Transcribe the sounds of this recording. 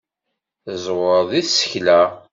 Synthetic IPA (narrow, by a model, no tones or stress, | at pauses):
zˤwəɾðˤiθsə̥çlæ